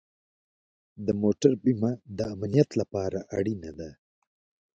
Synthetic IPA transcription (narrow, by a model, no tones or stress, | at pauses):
d̪əmoʈaɾbimad̪əamnijat̪lapɑɾaʔaɽinad̪a